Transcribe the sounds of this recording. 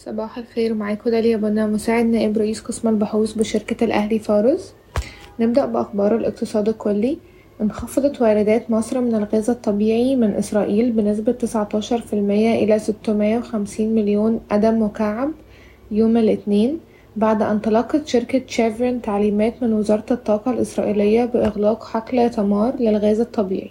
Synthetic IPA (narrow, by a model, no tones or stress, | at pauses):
sˤɑbɑːħalxeːɾmaʕaːkod̪æljæbʔenːæmosaːʕed̪næːʔebɾˤɑʔiːsqesmælbɑħuːsˤbeʃeɾkælʔæ̰hlifɑːɾes | neb̚d̪æʔbeʔɑxbɑːɾˤelʔeq̚t̪ɨsˤɑːd̪ikolːi | nxɑfɑd̪ˤɑt̪wæːɾɪd̪æːt̪mɑsˤɾˤmenælɣæːzæt̪ˤːɑbiːʕimɪnʔɪsɾˤɑːʔiːlbenes̬bæt̪ːesʕɑt̪ˤɑːʃɑɾˤfilmejːæʔelæset̪ːmɪjːæwexæmsiːnmeljoːnʔæd̪æmwekaʕab | joːmelʔɪt̪neːn | baʕd̪ʔæ̰nt̪ɑlɑqːɑt̪ʃeɾkæʃævɾent̪aʕliːmæːt̪menwezɑːɾˤɑt̪ɑt̪ˤːɑːqɑlʔesɾˤɑ̰ːʔiːlejːæbeʔeɣlɑːqħaklt̪æmɑːɾˤlelɣæːzæt̪ˤːɑbḭːʕi